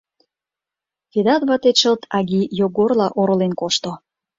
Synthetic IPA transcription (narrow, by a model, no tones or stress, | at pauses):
ked̪ɑt̪βɑt̪eʃəlt̪ʰɑɣijoɡorlɑʔoɾŏlenkoʃt̪o